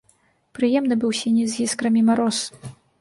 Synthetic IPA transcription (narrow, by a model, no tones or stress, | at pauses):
pɾɨjɛmnɨbɨwsʲanʲɛzʲɣʲiskɾɐmʲimaɾɔs